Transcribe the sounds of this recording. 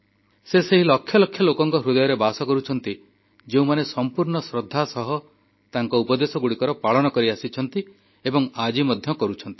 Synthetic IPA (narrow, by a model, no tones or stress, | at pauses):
seseɦilɔkʰːjɔlɔkʰːjɔlokɔŋkɔɦɾud̪ɔjɔɾebasɔkɔɾut͡ʃʰɔnt̪i | d͡ʒeũmanesɔmpuɾɳɔsɾɔd̪ʱːasɔɦɔ | t̪aŋkɔupɔd̪esɔɡuɽikɔɾɔpaɭɔnɔkɔɾiasit͡ʃʰɔnt̪i | ebɔŋad͡ʒimɔd̪ʱjɔkɔɾut͡ʃʰɔnt̪ii̥